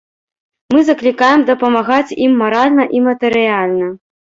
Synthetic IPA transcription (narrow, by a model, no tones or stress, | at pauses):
mɨzɐklʲikajɛmd̪ɐpɐmaɣat͡sʲimːaɾalʲnɐʔimɐt̪ɨɾɨjalʲnɐ